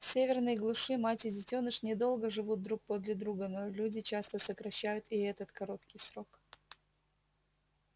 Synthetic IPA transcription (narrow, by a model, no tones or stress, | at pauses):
fsʲevʲɪrnɨjəɡlˠʊʂɨmatʲɪdʲɪtʲo̞nɨʂnʲɪd̪o̞lˠɡəʐɨvud̪̚d̪ɾuk̚pod̪lʲɪd̪ɾuɡənolʲudʲɪt͡ɕast̪əsəkɾɐɕːæjʊt̪ɪɛt̪ət̪kɐɾo̞t̪kʲɪjsɾo̞k